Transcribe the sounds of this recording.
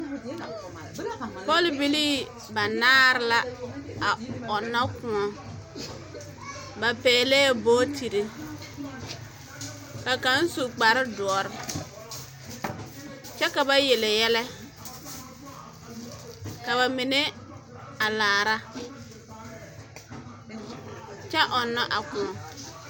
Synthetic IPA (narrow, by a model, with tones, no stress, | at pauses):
pɔ˦˨lbi˨liː˦ | ba˨naː˦ɾɪ˦la˦a˨ɔ˨nːa˦kʊ̃˨ɔ˦ | ba˨pɛː˨lɛː˦boː˦tʰi˨ɾi˦ | ka˨ka˨˦n̩˦su˨k͡pa˨ɾɪ˦du˨ɔ˨ɾɪ˦ | t͡ʃɛ˦ka˨ba˦jɛ˨lɪ˨jɛ˦lɛ˦ | ka˨ba˨mɪ˨nɛ˦ | a˨laː˨ɾa˦ | t͡ʃɛ˦ʔɔ˨nːa˦ʔa˨kʊ˨ɔ˨